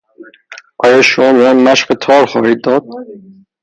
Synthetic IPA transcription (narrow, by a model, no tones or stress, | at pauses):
ʔɒːjɒːʃomɒːmiɡɒjmæʃɢet̪ʰɒːɾxɒːhiːd̪̚ːɒːd̪̚